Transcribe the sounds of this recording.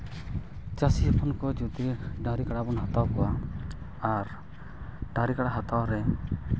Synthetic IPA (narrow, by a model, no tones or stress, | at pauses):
t͡ʃasiɔpʰɔnkɔd͡ʒut̪iɖãɾikaɽabɔnɦɔt̪awkɔwa | aɾ | ɖãɾikaɽaɦat̪awɾɛ